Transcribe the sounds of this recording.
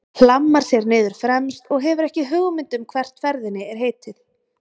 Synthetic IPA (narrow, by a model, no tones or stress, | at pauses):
l̥amːaɾ̥sjɛɾnɪːðʏɾ̥fɾɛmst̪ɔɣɦɛvʏɾɛhcɪɦʏːɣʏmɪnt̪ʏmkʰvɛr̥t̪fɛɾðɪnːɪɛɾ̥ɦeːjt̪ɪð̥